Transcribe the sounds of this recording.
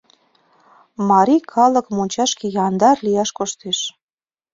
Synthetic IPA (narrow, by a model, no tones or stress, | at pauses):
mɑɾikʰɑlə̆kmonʲt͡ɕɑʃkejɑnd̪ɑrlijɑʃkoʃt̪eʃ